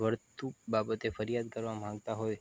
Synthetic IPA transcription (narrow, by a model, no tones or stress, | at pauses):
ʋəɾt̪ubabət̪efəɾjad̪kəɾʋamãŋɡt̪aɦoj